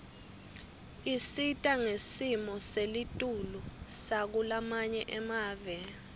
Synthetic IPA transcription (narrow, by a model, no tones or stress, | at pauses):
isitʼaŋesimɔselitʼulusak̬ulamaɲɛʔɛmaːvɛ